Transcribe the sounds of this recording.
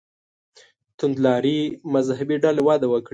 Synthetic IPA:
t̪ʊnd̪lɑɾimazɦabiɖalewɑd̪awəkɽi

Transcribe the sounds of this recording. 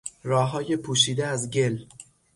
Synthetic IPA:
rɒːɦɒːje̞pʰuːʃiːd̪eæzɟe̞l

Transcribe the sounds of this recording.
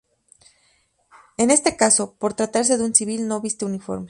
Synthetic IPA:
e̞ne̞st̪e̞kaso̞po̞ɾt̪ɾat̪aɾs̬e̞ðeunsiβ̞ilno̞βist̪e̞unifo̞̰ɾme

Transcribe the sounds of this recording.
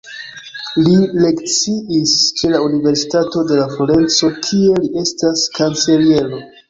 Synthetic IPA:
lile̞kt͡siiske̞launive̞ɾsi̥tato̞de̞lafloɾe̞nt͡so̞kʰie̞liʔe̞staskant͡se̞lie̞lo̞

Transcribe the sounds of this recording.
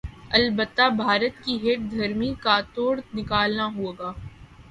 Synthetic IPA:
ɐlbət̪ːabʱaːɾət̪kiɦeːʈ̚d̪ʱɐɾmikat̪oːɽnɪkaːlnaɦueːɡaː

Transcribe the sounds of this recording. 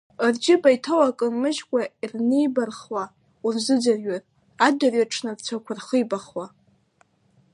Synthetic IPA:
rd͡ʒɪbajtʰowakʼɨnmɨʒkʷʼairnejbarχwa | urzɨd͡zarɥatʼ | adarɥaʈ͡ʂʰnɨrt͡ɕʷʰakʷʰarχəjbaχwa

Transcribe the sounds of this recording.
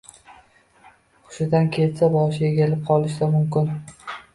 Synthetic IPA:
χʊ̥ʃɪd̪ankʲʰe̞t̪sabɒʃeɡʲelɪp̚qʰɒlˠɪʃd̪amʊmkʲɪn

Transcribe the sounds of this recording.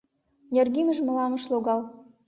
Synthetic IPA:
nʲerɣimə̆ʒmə̆lɑmə̆ʃloɣɑl

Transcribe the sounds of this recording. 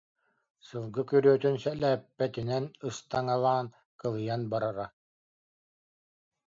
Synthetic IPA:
sɯlˠɡɯkyɾyœt̪ynsɛlæːpːɛt̪inɛnɯst̪aŋalˠaːn | kɯlˠɯjanbaɾaɾa

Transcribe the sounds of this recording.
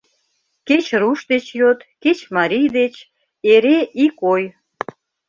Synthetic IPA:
ket͡ɕɾuʃd̪et͡ɕjot̪ket͡ɕmɑɾʲijd̪et͡ɕ | eɾeʔikoj

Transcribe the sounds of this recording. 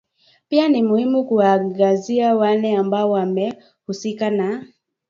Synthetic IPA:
pianimuhimukuwaŋɡaziawalɛambaɔwamɛ | husikana

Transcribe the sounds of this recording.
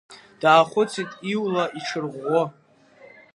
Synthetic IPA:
d̥aːχʷʊt͡sʰitʼiwlaʔiʈ͡ʂʰɨrʁʷo

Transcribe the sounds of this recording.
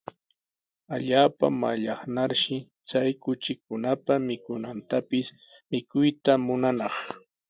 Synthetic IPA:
aʎaːpa̰maʎɑχnaɾʃɪ | t͡sajkʊt͡ʃɪkʊnapamɪkʊnant̪apɪs | mɪkʊjt̪amʊnanɑχ

